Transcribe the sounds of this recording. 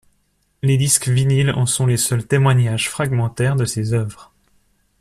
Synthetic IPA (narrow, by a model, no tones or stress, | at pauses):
led̪iskvinilɑ̰̃sɔ̃lesœlt̪emwaɲaʒfχaɡmɑ̃t̪ɛʁd̪əsezœvʁ